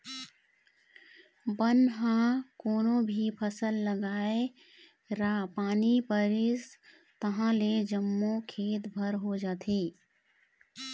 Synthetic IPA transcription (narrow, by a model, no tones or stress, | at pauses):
bənɦãkoːnobʱipʰəsəlːəɡaːe | ɾaːpaːnipəɾɪs | t̪əɦãled͡ʒəmːokʰeːt̪bʱəɾɦod͡ʒaːt̪ʰiː